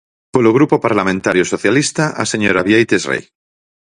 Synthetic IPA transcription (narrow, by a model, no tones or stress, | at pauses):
poloɣ̞ɾupopaɾlamẽnt̪aɾjosoθjalist̪aʔa̰seɲoɾaβjejt̪esrḛj